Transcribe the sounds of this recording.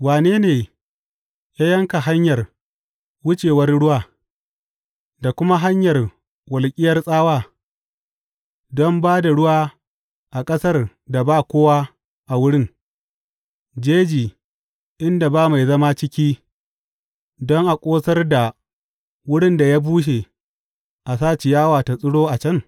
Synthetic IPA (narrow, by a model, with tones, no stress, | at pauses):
waː˨neː˦neː˨ | jaː˦jɐ˦ŋka˨ɦa˦ɲjɐ˨r | wʊ˦t͡ʃeː˨wɐ˦rɽʊ˦waː˦˨ | da˨kʷʊ˦ma˦ɦa˦ɲjɐ˨r | wɐ˨lkʲʼɪ˦jɐ˦rsʼaː˦waː˦ | dɔ˦mbaː˦da˨ɽʊ˦waː˦ | ʔa˨kʼɐ˦sɐ˦r | da˨baː˦kʷoː˦waː˦ | ʔa˨wʊ˦ɽɪ˦ŋ | d͡ʒeː˦d͡ʒiː˨ | ʔɪ˦nda˨baː˦ma˨jzɐ˦ma˦t͡ʃɪ˦kʲiː˦ | dɔ˦ŋʔa˨kʷʼoː˦sɐ˦rda˨ | wʊ˦ɽɪ˦nda˨ja˦buː˦ʃ̬eː˨ | ʔa˨saː˦t͡ʃe˨jaː˦waː˨ta˨sʼʊ˦ɽoː˦ʔa˨t͡ʃɐ˦˨ŋ